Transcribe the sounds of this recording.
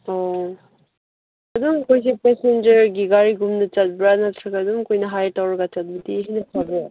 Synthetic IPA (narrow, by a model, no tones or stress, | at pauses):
ɔ | adumkojs̬epɛsend͡ʒɐɾɡiɡaɾiɡumnɯt͡ʃat̚bɾanatʰɾɯkadumkojnɐɦajtawɾɡat͡ʃat̚bitiɦinɐpʰabɯ